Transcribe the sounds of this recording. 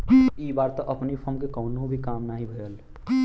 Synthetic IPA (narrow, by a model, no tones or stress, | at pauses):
iːbaːɾt̪aʔɐpnipʰəmkekɔːʊnõbʱikaːmnaːɦĩbʱəjəl